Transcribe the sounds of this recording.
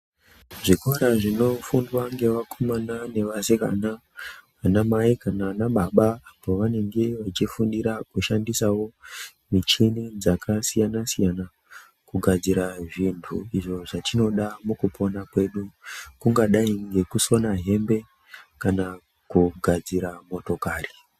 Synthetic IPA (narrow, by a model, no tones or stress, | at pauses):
ʐikoɾaʐino̞fundwaŋɡe̞ʋakʰomanane̞ʋaseka̰naʋanamaikanaanaɓaɓaːpoʋane̞ŋɡe̞ʋat͡ʃifundiɾakuʃandisawo̞ | mit͡ʃinid͡zakʰasijanasijana | kuɡʱad͡ziɾaʐintʰuiʐo̞ʐat͡ʃino̞ɗamukupʰo̞nakwe̞ɗukuŋɡaɗaiŋɡe̞kuso̞naɦe̞mbe̞ | kana | kuɡʱad͡ziɾamo̞to̞kaːri